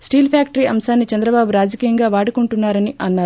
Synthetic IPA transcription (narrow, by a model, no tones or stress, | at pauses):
sʈiːlpʰaːkʈɐɾiːɐmsaːnːit͡ʃɐnd̪ɾɐbaːbuɾaːd͡ʒɐkiːjɐŋɡaːʋaːɽukuɳʈunːaːɾɐniʔɐnːaːɾ